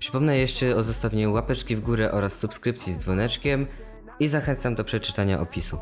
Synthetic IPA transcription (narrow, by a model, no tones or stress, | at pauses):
pʂɘ̥pɔmnɛjɛʂt͡ʂɛɔzɔst̪avʲeɲuwapɛt͡ʂkʲivɡuɾɛʔɔɾasːupskɾɘpt̪sʲjizd̪zvɔnɛt͡ʂkʲɛm | izaxɛnt̪samd̪ɔpʂɛt͡ʂɘ̥t̪aɲa̰ʔɔpʲisu